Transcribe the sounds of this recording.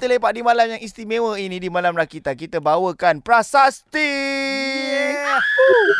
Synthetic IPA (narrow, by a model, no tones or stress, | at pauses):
t̪əlepaʔ̚dimãlamjaŋist̪imẽwəinĩdimãlamrakit̪ankit̪əbawəkanpɾasast̪i